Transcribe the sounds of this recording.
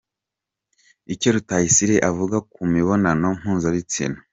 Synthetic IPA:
icoɾutajisiɾe̞ʔavuɡakumiβo̞nano̞ŋ̥uːnzaɾit͡sḭnu

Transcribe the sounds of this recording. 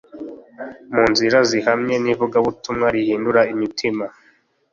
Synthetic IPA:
muːnziɾazihamɲe̞nivuɡaβutumŋaɾihiːnduɾaimitʰima

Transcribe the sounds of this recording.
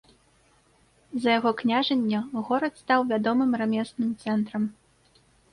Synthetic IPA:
zɐjaɣɔknʲaʐɐnʲːɐɣɔɾɐt̪st̪awvʲad̪ɔmɨmramʲɛsnɨmt̪sɛnt̪ɾɐm

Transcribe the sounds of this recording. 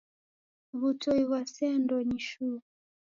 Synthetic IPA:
βutɔiβasɛndɔɲiʃu

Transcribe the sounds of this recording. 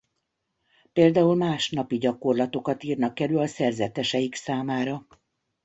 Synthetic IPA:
peːld̪aːulmaːʃnɒpiɟɒko̞rlɒt̪o̞kɒt̪iːrnɒkːɛlylɒsɛrzɛt̪ɛʃɛjiksaːmaːɾɒ

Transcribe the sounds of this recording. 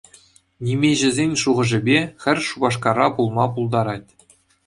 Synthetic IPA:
nʲimʲeʑɘ̆zʲenʲʂuʁɤ̆ʐɘ̆bʲexʲɘ̆rʲʂubɑʂkɑɾɑpulˠmɑpulˠd̪ɑɾɑtʲ

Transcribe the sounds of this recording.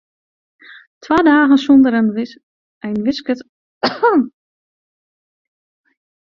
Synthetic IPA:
tʰwaːdaːɣənsɔndəɾɛnəʋɪs | ʔɛjnʋɪskət

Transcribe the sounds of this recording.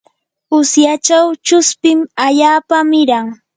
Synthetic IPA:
ʊsjat͡ʃawt͡ʃʊspɪmaʎaːpamɪɾaŋ

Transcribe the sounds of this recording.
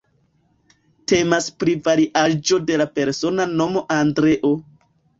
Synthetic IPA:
te̞maspɾivaɾiʔad͡ʒo̞de̞lape̞ɾso̞nano̞mo̞ʔandɾe̞ʔo̞

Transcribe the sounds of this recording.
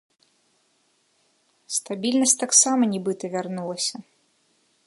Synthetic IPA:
st̪abʲilʲnɐsʲtʲt̪aksamɐnʲibɨt̪ɐvʲarnulˠɐsʲɐ

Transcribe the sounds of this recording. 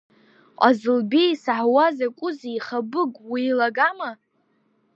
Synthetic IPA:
qʷʼazɨlbejsaħwazakʷʼʊziiχabɨɡʼwiːlaɡama

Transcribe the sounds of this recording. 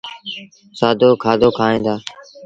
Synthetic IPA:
saːd̪oːkʰaːd̪oːkʰaːĩːnd̪aː

